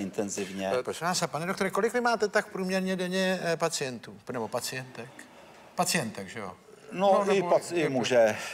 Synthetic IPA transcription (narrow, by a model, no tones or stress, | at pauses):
ɪnt̪ɛnzɪvɲɛaːsapanɛdokt̪oɾɛko̞lɪkvɪmaːt̪ɛt̪ak̚pɾuːmɲɛɾɲɛdɛɲɛpat͡sɪjɛnt̪uːnɛbo̞pat͡sɪjɛnt̪ɛk | pat͡sɪjɛnt̪ɛkʒɛo̰ | noɪpaɪmuʒɛ